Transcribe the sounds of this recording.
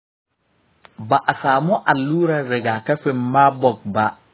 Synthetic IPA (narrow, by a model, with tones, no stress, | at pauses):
ba˨ʔa˨saː˨mʊ˦ʔa˨luː˦ɾa˦ɾɪ˨ɡa˨ka˦fɪ˦nma˦bɔ˨ɡ̚ba˦